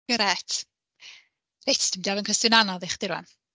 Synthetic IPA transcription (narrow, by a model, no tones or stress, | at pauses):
əɾɛtʰ | retʰd̥ɪmdiavənkʰɛstʊnanɔðɪχd̥ɪɾwa̰n